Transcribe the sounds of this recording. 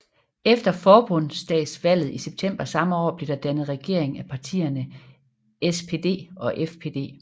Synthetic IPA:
efd̥ɐfɒːb̥ɔ̽n̰sd̥ɛ̰̥ːsʋæl̰ð̩ˠiseb̥̚t͡sʰem̰b̥ɐsɑ̈məɒ̰ːb̥le̝d̥ɑ̈d̥ænð̩ˠʁɛɡ̥e̝̰ɐ̰e̝ŋæpʰɑ̈t͡sʰḭːɐnə | espʰe̝ːd̥e̝̰ːɒ̽ʔefpʰe̝̰ːd̥e̝̰ː

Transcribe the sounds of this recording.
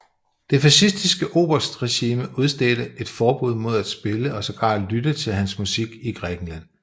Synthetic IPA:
d̥e̝fæsisd̥isɡ̥əʔo̝ːb̥ɐsd̥ʁɛɕiːməuð̞ˠsd̥eːd̥əe̝d̥fɒːb̥uð̞̰ˠmo̝ð̞ˠæd̥sb̥e̝ləɒ̽sɒ̽ɡ̥ɑ̰̥̈ːlydət͡sʰe̝lɦænsmusiɡ̥iɡ̥ʁɛːɡ̥n̩læn̰

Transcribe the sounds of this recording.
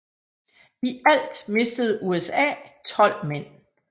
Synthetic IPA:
iæl̰d̥me̝sd̥əð̞̩ˠʔuesɛ̰ːt͡sʰɒ̽l̰men̰

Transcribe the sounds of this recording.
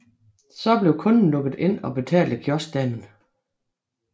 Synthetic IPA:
sɒ̽b̥le̝ʊkʰɔ̽nn̩lɔ̽ɡ̥ð̞̩ˠe̝n̰ɒ̽b̥e̝t͡sʰɛ̰ːld̥əkʰjɒsd̥ænn̩

